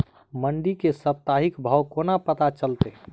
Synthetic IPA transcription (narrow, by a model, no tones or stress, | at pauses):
məɳɖikesəp̚t̪aɦɪkbʱəwkoːnapət̪at͡ʃəlt̪e